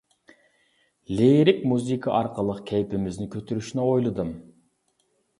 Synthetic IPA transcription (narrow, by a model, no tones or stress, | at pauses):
leɾɪk̚ʲmuzikʰɑʔɑɾqʰəlˠəqkʲʰɛjpɪmɪznɪkʲʰøt̪ʰyɾyʃinɛojlˠɨd̪ɯm